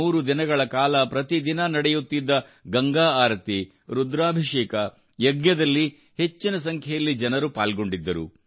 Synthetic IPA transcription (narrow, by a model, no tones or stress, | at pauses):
uːɾud̪inɐɡɐɭɐkaːlɐpɾɐt̪id̪inɐnɐɽɛjut̪ːid̪ːɐɡɐŋɡaːaːɾt̪i | ɾud̪ɾaːbʱiʂɛːkɐ | jɐɡɲɐd̪ɐlːi | he̞t͡ʃːinɐs̬ɐŋkʰɛjɐlːid͡ʒɐnɐɾupa̰ːlɡo̞ɳɖid̪ːɐɾṵ